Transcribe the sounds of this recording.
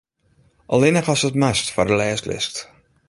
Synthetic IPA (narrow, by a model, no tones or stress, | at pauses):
ʔɔlɪnəχɔsətmastfɔrdəlɛːstlɪ̰skt